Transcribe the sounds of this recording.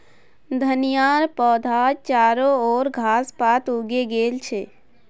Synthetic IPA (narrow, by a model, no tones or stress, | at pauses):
d̪ʱənijaɾpɔd̪ʱad͡ʒt͡ʃaːɾooːɾɡʱaspat̪uɡeɡeːlt͡ʃʰe